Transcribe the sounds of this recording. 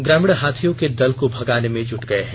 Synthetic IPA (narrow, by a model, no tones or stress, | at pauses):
ɡɾɛːmɪɽɦaːt̪ʰijõked̪ɐlkobʱɐɡaːnemẽd͡ʒʊʈɡɐeɦɛ